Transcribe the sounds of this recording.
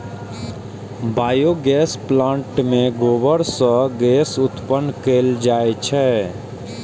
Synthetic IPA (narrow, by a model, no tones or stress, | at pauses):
baːjoɡɛːsplãːɳʈmẽɡoːbəɾsə̃ɡɛːsʊt̪pənkeːld͡ʒaːet͡ʃʰɛ